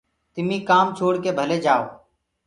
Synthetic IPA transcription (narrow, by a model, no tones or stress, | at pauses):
t̪ɪmĩːkaːmt͡ʃʰoːɽkeːbʱəleːd͡ʒaːoː